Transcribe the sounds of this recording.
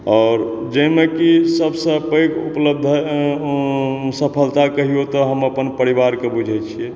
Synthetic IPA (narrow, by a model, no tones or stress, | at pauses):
ɔːɾ | d͡ʒəjmekisəbsə̃pəjkupləb̚d̪ʱə | səpʰəlt̪akəɦijot̪ɔɦəməpənpəɾiβaɾkebud͡ʒʱɛjt͡ʃʰiɛ